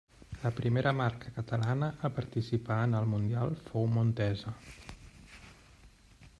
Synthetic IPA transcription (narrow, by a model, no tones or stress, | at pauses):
ləpɾimeɾəmaɾkəkət̪əlanəʔːpəɾt̪isipaənəlˠmund̪ialˠfowmunt̪ɛzə